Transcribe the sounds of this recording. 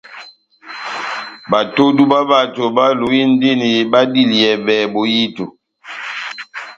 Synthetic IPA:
ba˨to˦du˦ba˦ba˦˨to˨ba˦lu˨ji˦n˦di˦ni˨ba˦di˦li˨ɛ˨bɛ˨bo˨ji˦to˨

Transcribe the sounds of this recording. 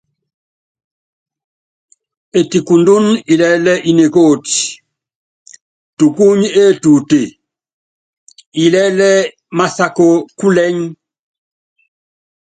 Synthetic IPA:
e˨ti˨ku˨ndu˦ni˨lɛ˦lɛ˦ʔi˨ne˨ko˦˨t | tu˨ku˦ɲe˦˨tu˨te˨ | i˨lɛ˦lɛ˦ | ma˦sa˦ko˦ku˦lɛ˦ɲ

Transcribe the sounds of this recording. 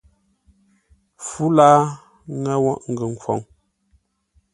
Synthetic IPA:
fu˦laː˦ | ŋɛ˦wɔ˦˨ʔŋ̩˨ɡə˨ŋ̩˨kwɔ̰˨ŋ

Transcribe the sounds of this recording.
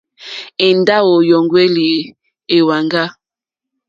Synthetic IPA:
ɛ˨nda˦wo˨jɔ˨ŋɡwe˦li˨ | e˨wa˨ŋɡa˦

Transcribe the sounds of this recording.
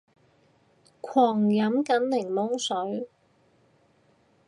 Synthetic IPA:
kʷʰɔː˨˩ŋjɐ˨˥mkɐ˨˥nlɪ˨˩ŋlʊ˥ŋsɵ˨˥ɥ

